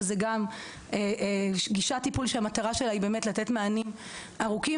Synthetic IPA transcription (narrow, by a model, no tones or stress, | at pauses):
zeɡam | eʔɡiʃatipulʃeamat̪aʁaʃe̞laibe̞ːmetlat̪etmeanim | aʁuki